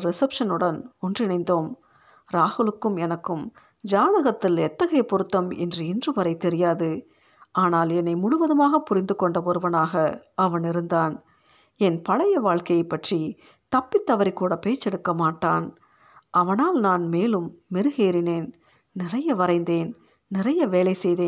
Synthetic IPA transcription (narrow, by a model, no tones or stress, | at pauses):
ɾɛsɐpʂɐnɯɽɐnɔndrɪnɐɪnd̪oːm | ɾaːhɯɭɯkːɯmɛnɐkːɯm | d͡ʒaːðɐɣɐt̪ːɪlɛt̪ːɐɣɐjɐpɔɾɯt̪ːɐmɛ̰ndrɯɪndrɯʋɐɾɐɪt̪ːɛɾɪjaːðɯ | ʔaːnaːlɛnːɐɪmʊɽʊʋɐðɯmaːɣɐpʊɾɪnd̪ɯkːɔɳɖɐɔɾɯʋɐnaːɣɐɐʋɐnɪɾɯnd̪aːn | ɛnpɐɭɐjɐʋaːɭkɐjɐɪpːɐʈri | t̪ɐpːɪt̪ːɐʋɐɾɪkːuːɽɐpeːt͡ʃːɛɽɯkːɐmaːʈːaːn | ʔɐʋɐnaːlnaːnmeːlɯmːɪɾɯɣeːɾɪneːn | nɪrɐjɐʋɐɾɐɪnd̪eːn | nɪrɐjɐʋeːlɐɪsɛjðeːn